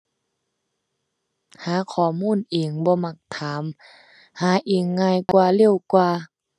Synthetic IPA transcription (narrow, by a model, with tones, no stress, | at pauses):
haː˨˦kʰɔː˨˩muː˧˥˨nʔiː˨˩ŋbɔː˧˦ma˧˩k̚t̪ʰaː˨˦m | haː˨˦ʔiː˨˩ŋːaː˧˨jkwaː˧le˧˨wkwaː˧